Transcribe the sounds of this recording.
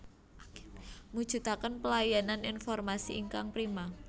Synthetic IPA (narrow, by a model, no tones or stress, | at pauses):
mu̥ʒ̥ṳt̪akənpəlajananinfɔrmasiʔiŋkaŋpɾima